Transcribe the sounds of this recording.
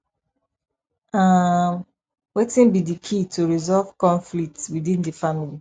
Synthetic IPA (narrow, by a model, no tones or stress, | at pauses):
am | wetĩnbidikʰitʰuɹizɔlv̥kɔ̃nflik̚tswidĩndəfamili